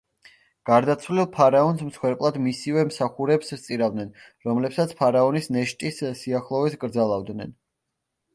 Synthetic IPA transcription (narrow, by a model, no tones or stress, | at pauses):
ɡ̥aɾd̪at̪sʰwlilˠpʰaɾaɔnsmsχwɛɾpʼlˠad̪misivɛmsaχuɾɛpst̪sʼiɾavd̪nɛnɾɔmlɛpsat̪sʰpʰaɾaɔnisnɛʃt̪ʼisːiaχlˠɔvɛsɡɾd̪zalˠavd̪nɛ̰n